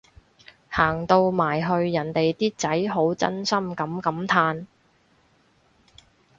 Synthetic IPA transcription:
haː˨˩ŋt̪o˧wmaː˨˩jɦɵ˧ɥjɐ˨˩nt̪e˨jt̪iː˥t͡sɐ˨˥jɦo˨˥wt͡sɐ̰˥nsɐ˥mkɐ˨˥mkɐ˨˥mt̪ʰaː˧n

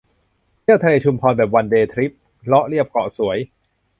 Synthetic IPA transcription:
i˥˩əwt̪ʰaleː˧t͡ɕʰu˧mpʰɔː˧nbɛː˨˩p̚wa˧ndeː˧t̪ʰɾi˦˥p̚ | lɔ˦˥ʔɾi˥˩əp̚kɔ̰ː˨˩su˩˦əj

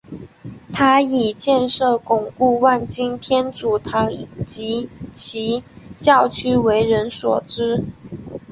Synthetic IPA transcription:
t̪ʰa˥i˨˩t͡ɕjɛ˥˧nʂɤ˥˩kʊ˨˩ŋku˥˧wa˥˩nt͡ɕi˥ŋt̪ʰjɛ˥nʈ͡ʂu˨˩t̪ʰɑ˧˥ŋi˨˩t͡ɕi˧˥t͡ɕʰi˧˥t͡ɕjɑ˥˩ʊt͡ɕʰy˥we˧˥ɪɻə˧˦˥nswɔ̰˨˩ʈ͡ʂɻ̩˥

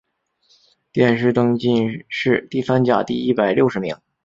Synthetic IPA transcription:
t̪jɛ˥˩nʂ̬ɻ̩˥˩t̪ɤ˥ŋt͡ɕi˥˧nʂɻ̩˥˧t̪i˥˩fa˥nt͡ɕja̰˨˩t̪i˥˧i˥pa˨˩ɪljo˥˩ʊʂɻ̩˧˥mi˧˥ŋ

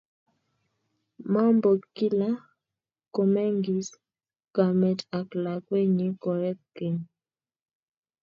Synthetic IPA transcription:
ma˦mbo˨ki˦la˦ | ko˨mɛ˦ŋɡi˨s | ɡ̥a˨mɛ˨ta˨kla˨kwe˦ɲi˨˦kɔ˨ɾɛ˦k̚ke˨n

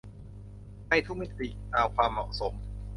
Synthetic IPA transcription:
ma˥˩jt̪ʰu˦˥k̚mi˦˥t̪i˨˩ʔkaː˧wkʰwaː˧mːɔ̰˨˩ʔso˩˦m

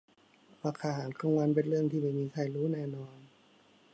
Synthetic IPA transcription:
ɾaː˧˩kʰaː˧ɦaː˩˦nkʰa˧˩˨ŋwa˧˥˨np̬e˧nlɯ˥˩əŋt̪ʰiː˧˩ma˧˩jmiː˧˩kʰa˧˩jɾuː˦˥nɛː˧˩nɔː˧n

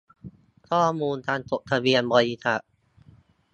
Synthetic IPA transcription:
kʰɔː˥˩muː˧nt̪ʰaː˧nt̪o˨˩k̚t̪ʰa˧bi˧ənbɔː˧ji˧˩t̪ʰa˨˩ʔ

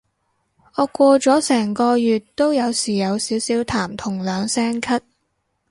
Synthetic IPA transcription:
ɔː˨˧kʷɔː˧t͡sɔː˨˥sɛː˨˩ŋkɔː˧jyː˨tt̪o˥wjɐ˨˧wsiː˨˩jɐ˨˧wsiː˨˥wsiː˨˥wt̪ʰaː˨˩mt̪ʰʊ˨˩ŋlœː˨˧ŋsɛː˥ŋkʰɐ˥t̚

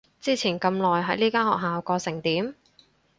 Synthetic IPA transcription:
t͡siː˥t͡sʰiː˨˩nkɐ˧mlɔː˨jɦɐ˨˥jliː˥kaː˥nhɔː˨k̚ɦaː˨wkɔː˧sɪ˨˩ŋt̪iː˨˥m

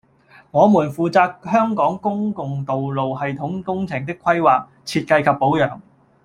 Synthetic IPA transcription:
ŋɔː˨˧muː˨˩nfuː˨t͡saː˧k̚hœː˥ŋkɔː˨˥ŋkʊ˥ŋkʊ˨ŋt̪o˨wlo˨wɦɐ˨jt̪ʰʊ˨˥ŋkʊ˥ŋt͡sʰɪ˨˩ŋt̪̬ɪ˥kʰwɐ˥jwaː˨k̚ | t͡sʰiː˧t̚kɐ˧jkʰɐ˨pːo˨˥wjœː˨˩ŋ

